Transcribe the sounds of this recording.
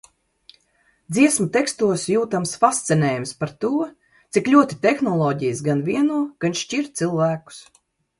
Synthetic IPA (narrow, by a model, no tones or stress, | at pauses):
d̪ziɛsmat̪ɛkst̪uɔsjuːt̪amsfast̪sɛnʲɛːjumspaɾt̪uɔ | t̪sikʎʲuɔt̪i̥t̪ɛxnɔlˠɔːɟijsɡanvʲiɛnuɔɡ̥anʃt͡ʃiɾtt̪silˠvæːku̥s